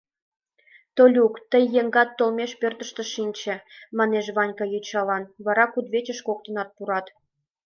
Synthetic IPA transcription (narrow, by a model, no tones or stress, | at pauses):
t̪olʲukt̪əjːeŋɡɑt̪ːolmʲeʃpørt̪ə̆ʃt̪ə̆ʃinʲt͡ɕĕmɑneʒβɑnʲkɑjut͡ɕɑlɑnβɑɾɑkud̪βet͡ɕə̆ʃkok̚t̪ə̆nɑt̪̚puɾɑt̪